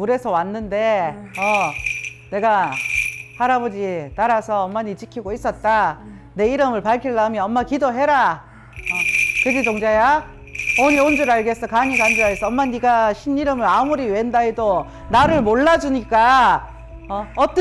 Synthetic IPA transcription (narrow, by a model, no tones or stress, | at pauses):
muɾe̞sʰʌwanːɯnde̞ʌ | ne̞ɡa | haɾabod͡ʑitaɾasʰʌːmːaɲit͡ɕikʰiɡois͈ʌt̚t͈a | ne̞iɾɯmɯɭpaɭkʰiɭːamjʌʌmːakidoɦe̞ɾa | ʌkɯd͡ʑitoŋd͡ʑaja | oɲiond͡ʑuɾaɭɡe̞s͈ʌkaɲikand͡ʑoaes͈ʌʌmːaɲiɡaɕʰiniɾɯmɯɾamuɾiwendaido | naɾɯɭmoɭːad͡ʑuɲik͈a | ʌʌt͈